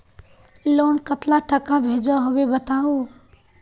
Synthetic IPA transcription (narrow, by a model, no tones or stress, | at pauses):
loːnkət̪laʈʰəkãbʱeːd͡ʒoɦoʋebət̪aːoː